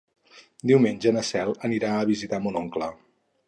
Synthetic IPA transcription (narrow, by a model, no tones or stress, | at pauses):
d̪iwmenʲd͡ʒənəsɛlˠəniɾaəβizit̪amunoŋklə